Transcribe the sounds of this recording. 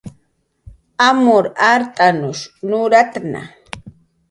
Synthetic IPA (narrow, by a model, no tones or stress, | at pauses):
amʊɾaɾt̪ʼanʊʃnʊɾat̪na̰